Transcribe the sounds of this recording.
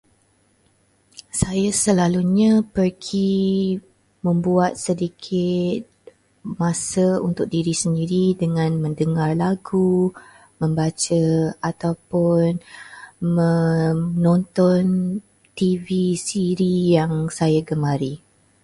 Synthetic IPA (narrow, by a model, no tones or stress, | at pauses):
sajasəlaluɲãpərɡi | mə̃mbuat̪̚sədikʰɪt̪̚ | mãsəṵnt̪ʊk̚diɾisəndiɾidəŋãnmə̃ndəŋarlaɡu | mə̃mbat͡ʃəat̪awpʊn | mənɔ̃nt̪ɔn | t̪ivisiɾijaŋsajaɡəmaɾi